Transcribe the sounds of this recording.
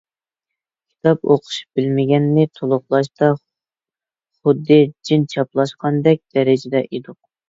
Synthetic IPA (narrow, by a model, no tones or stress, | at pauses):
kʲʰi̥t̪ʰɑpo̰qʰʊ̥ʃu̥p̚bɪlmɪɡʲɛnːɪt̪ʰolˠʊχlˠɑʃt̪ɑ | χʊd̪ːɨd͡ʒint͡ʃʰɑplˠɑʃqɑnd̪ɛk̚ʲd̪̥ɛɾɪd͡ʒɪd̪ɛʔed̪ʊq̚